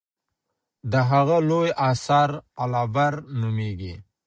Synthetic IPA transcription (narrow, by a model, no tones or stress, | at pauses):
d̪əɦaɣalojɑsɑɾalabaɾnumeɡḭ